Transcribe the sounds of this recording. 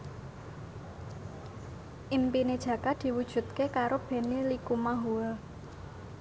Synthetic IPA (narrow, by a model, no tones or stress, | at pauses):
ʔimpined̥ʒ̥ä̤kad̪̥i̤wud̥ʒ̥ṳt̪̚kekaɾob̥ɛ̤nilikumaɦuɛl